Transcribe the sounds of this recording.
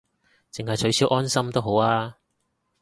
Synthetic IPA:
t͡sɪ˨ŋɦɐ˨jt͡ʃʰɵ˨˥ɥsiː˨˥wʔɔː˥nsɐ˥mt̪o˥wɦo˨˥waː˥

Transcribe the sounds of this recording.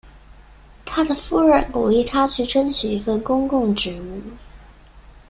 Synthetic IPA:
t̪ʰa˥d̪ə˨fu˥˧ɻə˨˩nku˨˩li˥˩t̪ʰa˥t͡ɕʰy˥˩ʈ͡ʂʰə˥nɕy˨˩i˧˥fə˥˨˩nkʊ˥ŋkʊ˥˩ŋʈ͡ʂɻ̩˧˥u˥˩

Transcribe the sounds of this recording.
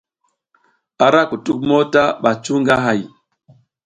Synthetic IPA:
a˨ɾa˦ku˨tu˦k̚mo˦ta˦ɓa˨t͡ʃu˦ŋɡa˦ɦa˨j

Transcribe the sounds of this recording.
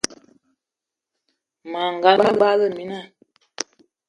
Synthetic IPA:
ma˨ŋ˨ɡa˨˦ɓa˦ba˦ɣə˦˨mi˨na˦˨

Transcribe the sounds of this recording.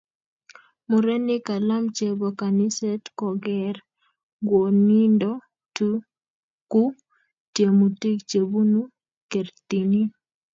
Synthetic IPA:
mu˨ɾe˦nɪ˦ka˨la˦mt͡ʃe˨bo˨ka˨ni˦sɛ˦tkɔ˨ɡɛɾ | ɡwo˨ni˦ndɔ˦ | tu | ku˦ | tje˨mu˨ti˦kt͡ʃe˨bu˦nu˦ | ke˨ɾt̪i˨ni˦

